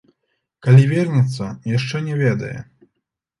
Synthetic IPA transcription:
kalʲivʲɛrnʲɛt̪sːɐjaʂt͡ʂɛnʲɛvʲɛd̪ɐ̰jɛ̰

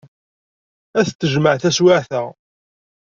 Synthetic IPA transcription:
æθt̪ːəʒməʕθæswaʕθæ

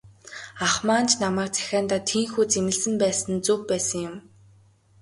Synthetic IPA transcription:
aχmaːnt͡ɕnamæːk̚t͡sʰæ̥xʲaːnt̪aːt̪ʰiːŋxuːt͡semɘ̆ɮsɘ̆mpæːsə̆nt͡supːæːsə̆ŋjʊm

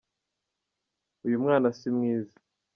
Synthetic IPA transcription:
ujumŋaːnasimŋiːza

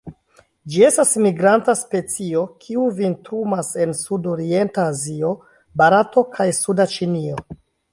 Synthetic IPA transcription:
d͡ʒie̞stasmiɡɾantaspe̞t͡sio̞kʰiuvintɾumase̞nsudo̞ɾie̞ntaːzio̞ | baɾato̞kʰajsudat͡ʃinio̞

